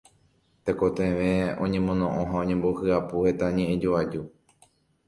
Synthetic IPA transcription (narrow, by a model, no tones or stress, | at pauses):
t̪eko̞t̪ẽʋẽ̞õ̞̰ɲẽmõ̞nõ̞ʔõɦaõɲẽmbo̞hɨapuhe̞t̪aɲẽ̞ʔẽd͡ʒoad͡ʒu